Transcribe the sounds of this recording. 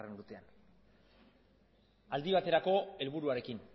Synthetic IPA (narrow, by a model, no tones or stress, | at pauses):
renɾut̪ean | ald̪iβ̞at̪e̞ɾako̞e̞lβuɾuaɾe̞kin